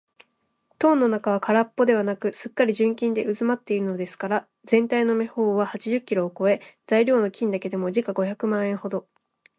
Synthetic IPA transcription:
t̪õ̞ːnːo̞nakaβ̞akaɾapːo̞d̪e̞β̞anakɯ̟sɨkːaɾʲiʑɨ̃ŋkʲĩnd̪e̞ɯ̟zɨmat̪ːe̞iɾɯ̟no̞d̪e̞sɨ̥kaɾa | z̥ẽ̞nt̪aino̞me̞ho̞ːβahat͡ɕiʑɨkʲːiɾoːko̞e̞z̥aiɾʲo̞ːno̞kʲĩnd̪ake̞d̪e̞mo̞ʑikaɡo̞çakɯ̟mãɰ̃ẽ̞ɰ̃ho̞d̪o̞

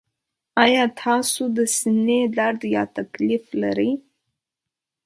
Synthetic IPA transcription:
ɑjɑt̪ʰɑsod̪əsinelaɽd̪jɑt̪aklifla̰ɾəj

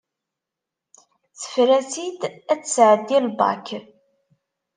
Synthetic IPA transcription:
θə̥fɾæsid̪æt͡sːsʕəd̪ːilbɑ̰k

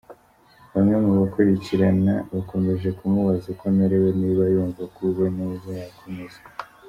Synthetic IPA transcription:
βamŋemuβakuɾiciɾanaβako̞me̞ʒe̞kumuβazekonaɾeweniβajuːɱvakwiβonuuzajakʰomezae

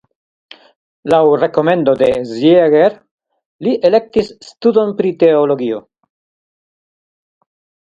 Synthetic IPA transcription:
lawɾe̞ko̞me̞ndo̞de̞zjeɡeɾ | liʔe̞le̞k̚tisːtudo̞npɾite̞olo̞ɡio̞

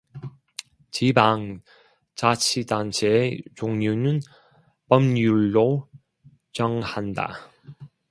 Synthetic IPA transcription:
t͡ɕibaŋ | t͡ɕat͡ɕʰidant͡ɕʰeet͡ɕoŋɲunɯn | pʌmjuɭːo | t͡ɕʌŋhanda̰

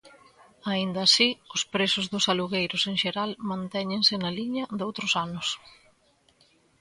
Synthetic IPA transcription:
aind̪ɐːsiʊspɾesʊzðʊsaluɣejɾʊseŋʃeɾalmãnt̪ɛɲẽŋsɪnɐliɲɐd̪owt̪ɾʊsanʊs

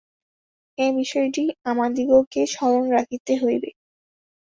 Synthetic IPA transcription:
ebiʃɔeʈiamad̪iɡokeʃɔɾonɾakʰit̪eɦojbe

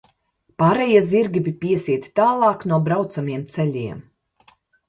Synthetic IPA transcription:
paːɾɛjiːziɾɡʲibipiɛsiɛt̪ʲi̥t̪aːlˠɑːknuɔbɾawt̪samiɛmt̪sɛʎʲiɛm

